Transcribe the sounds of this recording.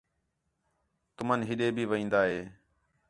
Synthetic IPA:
t̪ʊmənɦɪɗeːbʱiːʋəĩːnd̪aːɦeː

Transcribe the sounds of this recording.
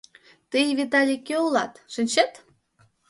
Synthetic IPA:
t̪əjβit̪̬ɑlʲikeolɑt̪ʃɨnʲt͡ɕet̪

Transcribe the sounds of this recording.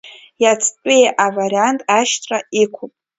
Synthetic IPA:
jat͡sʰʼpʼejʔavarʲantʼaʃtʰʼraikʷʰʊpʼ

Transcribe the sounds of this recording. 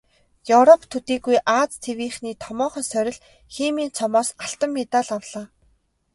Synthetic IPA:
juwɾɔpʰt̪ʰut̪iːɡujʔaːt͡st̪ʰewiːχniːt̪ʰɔmɔːχɞ̆nsœɾʲɪ̆ɮ | xiːmiːnt͡sʰɔmɔːsaɬt̪ə̆mːet̪aɮawɮ̥aː

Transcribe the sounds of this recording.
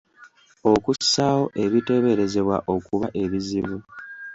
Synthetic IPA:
o̞kusawo̞ʔe̞βite̞βe̞ɾe̞ze̞βwa̰ʔo̞kuβaʔe̞βiziβu

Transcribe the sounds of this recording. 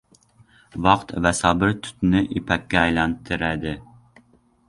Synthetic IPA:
vɑqt̪vɛsɑːbɪɾt̪ʰy̥t̪nɪʔipʰɛkʲːɛɛjlɛnt̪ʰɨɾɛd̪ɪ

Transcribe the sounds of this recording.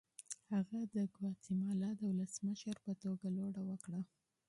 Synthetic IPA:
haɣad̪əɡwɑt͡simɑlɑd̪əwʊləsməʃəɾpət̪oɡaloɽawəkɽa

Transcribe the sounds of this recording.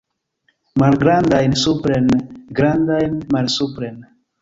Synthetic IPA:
malɡɾandajnsupɾenɡɾandajnmalsupɾen

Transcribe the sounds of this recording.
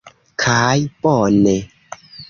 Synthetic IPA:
kʰajpɔne

